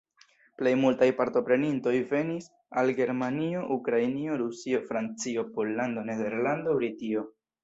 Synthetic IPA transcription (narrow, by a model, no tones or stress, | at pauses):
ple̞jmultajpaɾto̞pɾe̞ninto̞jve̞nis | alɡe̞ɾmanio̞ʔukɾajnio̞ɾusio̞fɾant͡sio̞po̞lːando̞ne̞de̞ɾlandoɾitio̞